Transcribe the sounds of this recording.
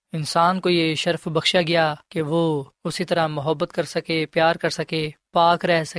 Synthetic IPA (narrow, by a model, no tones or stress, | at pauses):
ɪnsaːnkojeʃɐɾfbɐxʃaɡɪjaːkeʋoːʊsit̪ɐɾamʊɦəbːət̪kɐɾsɐkepjaːɾkɐɾsɐkeːpaːkɾɛɦsɐ